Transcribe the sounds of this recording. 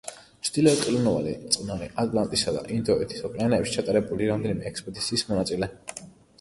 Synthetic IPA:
t͡ʃʰd̪̥ilɛːkqʼilunɔva̰lḭt̪sʼqʼnaɾiʔat̪ʼlˠant̪ʼisad̪a̰ʔind̪ɔɛt̪ʰi̥sɔpʼianɛːpʃi̥t͡ʃʰat̪ʼaɾɛbuliɾamd̪ɛnimɛːkspʼɔd̪it̪sʰiːsmɔnat̪sʼilɛ

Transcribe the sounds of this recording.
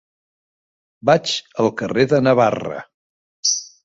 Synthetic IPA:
bat͡ʃəlˠkəreðənəβarə̰

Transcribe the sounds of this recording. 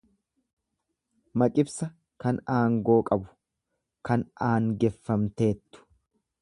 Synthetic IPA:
mɐkʼɪbsɐ | kɐnaːŋɡo̞ːkʼɐbʊ̥ | kɐnʔaːŋɡɛfːɐmt̪e̞ːt̪ːʊ̥

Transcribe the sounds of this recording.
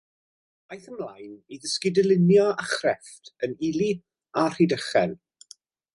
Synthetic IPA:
ajθəmlajniðəskɪdəlˠɪnjɔaχrɛftʰənili | ar̥idəχɛn

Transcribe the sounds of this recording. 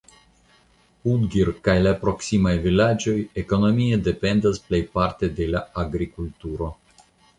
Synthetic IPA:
udɡiɾkajlapɾo̞ksimajvilad͡ʒo̞jeko̞no̞miede̞pe̞ndasple̞jpaɾte̞de̞laaɡɾikultuɾo̞

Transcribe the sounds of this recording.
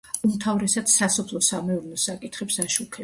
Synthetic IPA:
umt̪ʰavɾɛsad̪sasɔpʰlˠɔsamɛɔɾnɔsakʼit̪ʰχɛpsaʃukʰɛ

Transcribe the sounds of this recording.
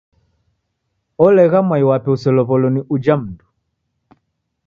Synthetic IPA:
ɔlɛɣamwaiwapɛusɔlɔβɔlɔniʔud͡ʒam̩ndu

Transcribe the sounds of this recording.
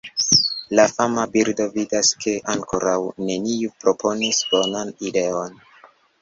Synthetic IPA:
lafamabiɾdo̞vidaskʰe̞ʔaŋko̞ɾawne̞niupɾo̞pʰo̞nisb̥o̞nanide̞o̞n

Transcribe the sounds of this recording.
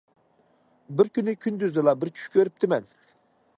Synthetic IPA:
bɪɾkʲynɪkʲʰynd̪yzd̪ɪlˠɑbɪɾt͡ʃʲʰy̥ʃkʲʰøɾyp̚t̪ʰɪmɛn

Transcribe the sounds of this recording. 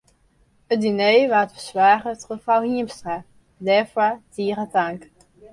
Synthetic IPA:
ədinejʋaːətfəsʋaːχətχəfawhiəmstra | dɛfwatiːərətaŋk

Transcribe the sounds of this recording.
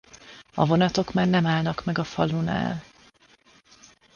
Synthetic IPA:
ɒ̰vo̞nɒt̪o̞kmaːrnɛmaːlnɒkmɛɡɒfɒlːuna̰ːl

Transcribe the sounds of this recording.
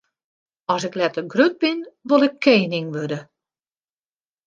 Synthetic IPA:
ɔsɪklɛtəɡrød̚bɪnʋolˠɪkʰːeːnɪŋʋødə

